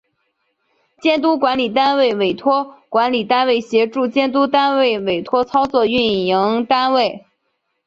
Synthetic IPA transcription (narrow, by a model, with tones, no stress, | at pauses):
t͡ɕjɛ˥nt̪̬u˥kwa˧˥nli˨˩t̪a˥nwe˥˩ɪwe˨˩ɪt̪ʰwɔ˥kwa˧˥nli˨˩t̪a˥nwe˥˩ɪɕjɛ˧˥ʈ͡ʂu˥˧t͡ɕjɛ˥nt̪u˥t̪a˥nwe˥˩ɪwe˨˩ɪt̪ʰwɔ˥t͡sʰɑ˥ʊt͡swɔ˥˧y˥˩nji˧˥ŋt̪a˥nwe˥˩ɪ